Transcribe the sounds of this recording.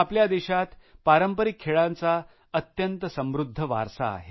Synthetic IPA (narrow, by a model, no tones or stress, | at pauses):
apljad̪eɕat̪paɾəmpəɾikʰːeɭãnt͡sa | ət̪jənt̪əsəmʋɾud̪ʱːəʋa̰ɾsa̰ːɦe